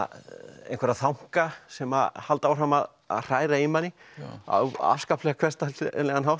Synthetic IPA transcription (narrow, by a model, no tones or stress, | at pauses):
ḛjnkʰvɛɾaθawŋ̥kasɛmahalt̪awfrɾamað | a̰ðr̥aːjɾaimanːɪ | a̰wa̰fskaplɛɣakʰv̥ɛst̪alɛɣanɦawft̪